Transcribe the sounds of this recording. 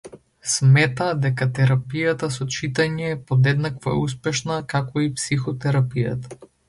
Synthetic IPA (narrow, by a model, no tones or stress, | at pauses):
smɛt̪ad̪ɛkat̪ɛɾapijat̪asɔt͡ʃit̪aɲɛːpod̪ɛd̪nakvo̰ɛ̰uspɛʃnakakoipsixɔt̪ɛɾapija̰t̪ḁ